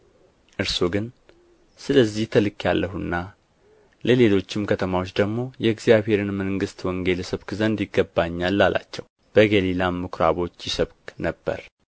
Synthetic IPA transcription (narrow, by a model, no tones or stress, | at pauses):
ʔɨɾsoɡɨn | sɨləzːiht̪ʰəlɨkjalːəɦunːa | ləle̞lo̞t͡ʃːɪmkʰət̪ʰəmawot͡ʃːd̪əɡmo̞jɛɨɡzijaβhe̞ɾɨnməŋɡɨst̪wɔŋɡelsəβkzənd̪jɪɡːəbːaɲːalːalʔa̰t͡ʃːɛw | b̥əɡelilamːɨkɾa̰βo̞t͡ʃːjɪsəβknəb̥ːə̰ɾ